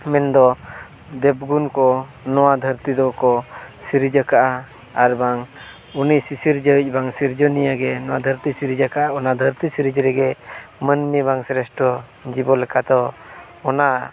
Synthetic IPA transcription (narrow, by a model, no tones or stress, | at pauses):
mɛnd̪ɔ | d̪ɛb̚ɡunkɔ | nɔwad̪ʱəɾt̪id̪ɔkɔsiɾid͡ʒəkaʔa | aɾbaŋ | unisisiɾd͡ʒəc̚ˀbaŋsiɾd͡ʒɔnijaɡɛnɔwad̪ʱəɾt̪isiɾid͡ʒakaʔaɔnad̪ʱəɾt̪isiɾid͡ʒɾɛɡɛmənmibaŋsɾɛsʈɔ | d͡ʒibɔlɛkʰad̪ɔː | na